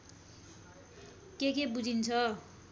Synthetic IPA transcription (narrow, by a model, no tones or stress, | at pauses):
kekebud͡zʱint͡sʰʌ